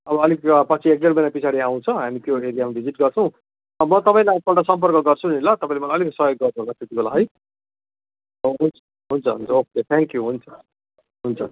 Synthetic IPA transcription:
ʌbʌʌlikpʌt͡sʰiek̚ɖelbʌjnapit͡sʰaɾiaw̃t͡sʰʌɦamik̪joeɾijamibʱid͡ziʈɡʌrt͡sʰʌ̃w̃ | mʌt̪ʌpaĩlapʌʈasʌmpʌrkʌɡʌrt͡sʰunilat̪ʌpãĩlemʌlajʌliksʌjoɡːʌrt͡sʰʌ̃ɦnastɾit̪ibʱolaɦʌj | oɦunt͡sʰʌ̥ | ɦunt͡sʰʌɦunt͡sʰʌoket̪ʰɛŋkjuɦunt͡sʰʌ̥ | ɦunt͡sʰʌ

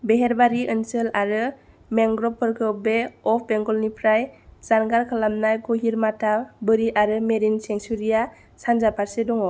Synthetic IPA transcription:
beɦeɾbaɾiʔɯnsɯlaɾɯ | meŋɡɾɔpʰɯɾkʰɯbeɔpʰbeŋɡɔlnipʰɾajz̥anɡaɾkʰalamnajɡɔɦiɾmatabɯɾiʔaɾɯmeɾinseŋsuɾija | sanzapʰaɾsedɔŋɔ

